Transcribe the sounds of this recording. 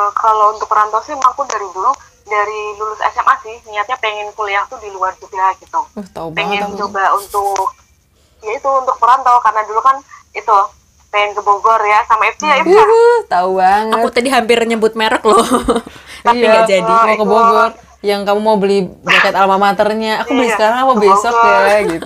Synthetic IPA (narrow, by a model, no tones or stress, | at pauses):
əkalount̪ʊk̚pəɾant̪ɔsɪmapʊdaɾidulu | daɾilulʊsɛ̰sɛmʔa̰sɪhniŋat̪̚ɲapeŋɛnkuleaht̪udiluart͡ʃuɡaɡit̪uht̪aubeŋɛnd͡ʒoɡaunt̪ʊk̚ | jait̪uːnt̪ʊk̚pəɾant̪ɔkarənadulukan | it̪u | peŋɛnkəboɡɔrjasamaɛft̪iaiəht̪aubaŋəatkut̪adiɦampɪrɲəmbʊt̪̚meɾək̚lɔ | aijiaŋɡad͡ʒadimakəboɡɔr | jaŋkamumaubəlɪhbakat̪alamamat̪ərɲaːubəliskaɾaŋapabesɔkjaɡit̪